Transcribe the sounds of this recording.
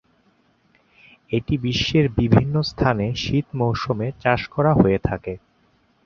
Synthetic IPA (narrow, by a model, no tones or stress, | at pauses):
eʈibiʃːeɾbibʱinːost̪ʰaneʃit̪mowʃomet͡ɕaʃkɔɾaɦoet̪ʰake